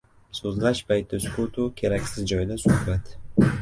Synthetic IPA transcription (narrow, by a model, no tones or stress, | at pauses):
sozlaʃpʰajt̪̚ːɪskʰot̪ʰʊkʲʰe̞ɾakʲsɪzd͡ʒɒjd̪asʊhbat̪